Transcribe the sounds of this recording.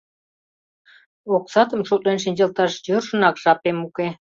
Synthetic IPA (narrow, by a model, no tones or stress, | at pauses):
oksɑt̪əmʃuklenʃinʲd͡ʑɑlt̪ɑʃjørʒə̆nɑkʒɑpemuke